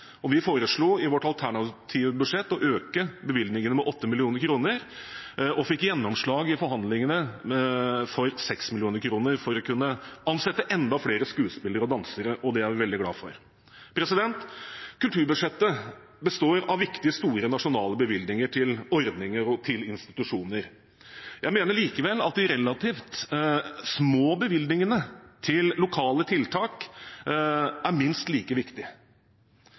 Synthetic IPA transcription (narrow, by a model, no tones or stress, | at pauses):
ɔʋɪfoːɾəʂɭuːɪʋɔʈɑlt̪ʰæɳɑt̪ʰiːʋəbʉʂɛt̪ːɔʔøːkəbəʋɪld̪nɪŋənəmɛʔɔt̪ːəmɪlɪuːnəɾkʰɾuːnəɾ | ʔɔfɪkːjɛnːɔmʂɭɑːɡɪfɔɾɦɑnd̪lɪŋənə | fɔɾsɛksmɪlɪuːnəɾkʰɾuːnəɾfɔɾɔkʉnːəʔɑnsɛt̪ːəʔɛnd̪ɑfleːɾəskʉːspɪlːəɾɔd̪ɑnsəɾəʔɔd̪ɛæɾʋɪʋɛld̪ɪɡlɑ̰ːfɔ̰ɾ | pʰɾɛsɪd̪ɛnt̪kʰʉlt̪ʰʉːɾbʉʂɛt̪ːə | bəst̪oːɾɑʋɪkt̪ɪəst̪uːɾənɑʂʊnɑːləbəʋɪld̪nɪŋəʈʰɪlɔɾd̪nɪŋəɾɔt̪ʰɪlɪnst̪ɪt̪ʉʂuːnəɾ | jʔæɪmeːnəɭiːkəʋɛlːɑ̰t̪̚d̪ɪɾɛlːɑt̪ʰiːft̪ | smoːbəʋɪld̪nɪŋənət̪ʰɪlːʊkʰɑːlət̪ʰɪlt̪ʰɑːk | æɾmɪnst̪liːkəʋɪkt̪ɪ